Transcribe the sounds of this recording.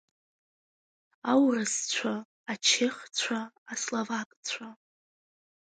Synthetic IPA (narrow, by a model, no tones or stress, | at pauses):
awrɨst͡sʷʰaː | t͡ʃʰɪχt͡sʷʰaː | slovakʼt͡sʷʰa